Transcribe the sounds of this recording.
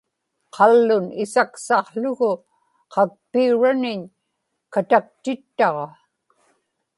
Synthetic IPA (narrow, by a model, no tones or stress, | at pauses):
qʰɑlːʊnɪsaksɑχɬʊɣʊ | qʰɑk̚piuɻanɪɲ | kat̪ak̚t̪ɪt̪ːɑʁɑ